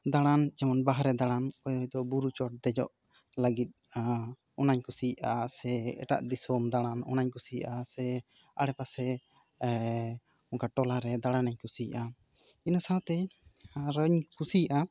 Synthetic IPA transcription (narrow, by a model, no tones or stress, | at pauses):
d̪aɽ̃and͡ʒɛmɔnbaɦɾɛd̪aɽ̃ankɔjd̪ɔjd̪ɔbuɾut͡ʃɔʈ̚d̪ɛd͡ʒɔ̰ʔ | ləɡit̪̚ | ɔnaɲkusijʔasɛɛ̰ʈa̰ʔd̪isɔmd̪aɽ̃anɔ̰naɲkusijʔasɛ | aɽɛpasɛ | ɔŋkaʈɔlaɾɛd̪aɽ̃anaɲkusijʔa | inasãwt̪ɛ | ɾəɲkusijaʔa